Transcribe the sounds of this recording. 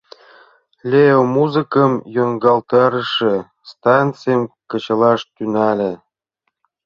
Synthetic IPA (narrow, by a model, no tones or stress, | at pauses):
lʲeomuzɨkə̆mjoŋɡɑlt̪ɑɾə̆ʃĕ | st̪ɑnt͡sɨjəmkə̆t͡ɕə̆lɑʃt̪ynælʲĕ